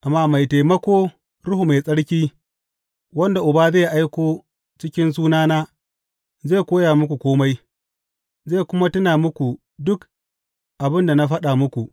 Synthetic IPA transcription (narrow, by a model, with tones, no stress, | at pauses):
ʔa˨mːaː˦ma˨jta˨jmɐ˦kʷoː˦ | ɽʊ˦hu˨ma˨sʼɐ˦ɽkʲiː˦ | wɐ˦nda˨ʔʊ˨baː˦zeː˦˨ʔa˦jkʷoː˦ | t͡ʃɪ˦kʲɪ˦ns̬uː˦naː˦naː˦ | zeː˦˨kʷoː˦jaː˨mʊ˦kʷu˨kʷoː˦ma˦j | ze˦˨kʷʊ˦ma˦tʊ˦naː˨mʊ˦kʷu˨ | dʊ˦k | ʔa˨bɪ˦nda˨na˦ɸɐ˦ɗa˨mʊ˦kʷu˨ʔ